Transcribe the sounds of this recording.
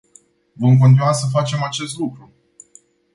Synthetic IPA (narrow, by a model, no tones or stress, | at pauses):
vəmk̬ont̪inwasəfat͡ʃe̞mat͡ʃe̞st̪lukɾu